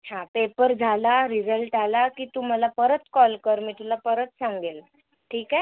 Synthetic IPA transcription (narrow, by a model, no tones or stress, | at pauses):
hãpepəɾd͡zʱalaɾid͡zəlʈalakiːt̪um̤alapəɾət̪kɔlkəɾmiʈʰulapəɾət̪saŋɡel | ʈʰiːka